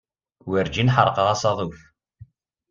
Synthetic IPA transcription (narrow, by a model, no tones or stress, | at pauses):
wəɾd͡ʒinħə̰ɾˤqɑʁɑsɑðˤuf